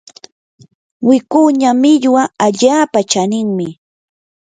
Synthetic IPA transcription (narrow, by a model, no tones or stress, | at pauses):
wɪkuɲamɪʎwaaʎaːpat͡ʃanɪŋmɪ